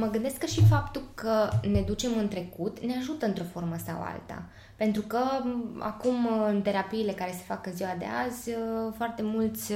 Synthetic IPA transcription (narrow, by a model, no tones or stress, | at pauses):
məɡɨnd̪e̞skəʃifapt̪ukəne̞d̪ut͡ʃe̞mɨnt̪ɾe̞kut̪ne̞aʒut̪əɨnt̪ɾo̞fo̞rməsa̰wa̰lt̪a̰ | pe̞nt̪ɾukəa̰kumɨnt̪e̞ɾapiːle̞kaɾe̞se̞fakɨnziwad̪e̞̰azʲfoart̪e̞mult̪sʲ